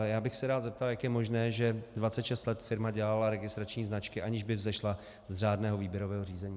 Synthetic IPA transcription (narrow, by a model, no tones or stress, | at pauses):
jaːbɪxsɛɾaːd̪zɛp̚t̪aljakjɛmo̞ʒnɛːʒɛdvat̪t͡sɛt̪ʃɛst̪lɛt̪fɪɾmaɟɛlalaɾɛɡɪst̪ɾat͡ʃɲiːznat͡ʃkɪʔaɲɪʒbɪvzɛʃla | zr̝aːdnɛːɦo̞viːbjɛɾovɛːɦoriːzɛɲiː